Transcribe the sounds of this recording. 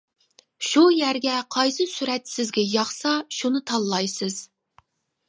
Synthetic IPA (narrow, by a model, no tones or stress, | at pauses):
ʃujæɾɡʲɛqʰɑjsɨsyɾɛt̪sɪzɡʲɛjɑχsɑʃunɨt̪ʰɑlˠːɑjsɨz̥